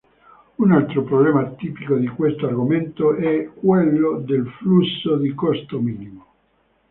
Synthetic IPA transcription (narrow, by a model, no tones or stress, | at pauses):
unalt̪ɾopɾoblɛːmat̪ipikod̪ikwest̪oarɡoment̪oʔɛkːwelːod̪elflusːod̪ikɔst̪omiːnimo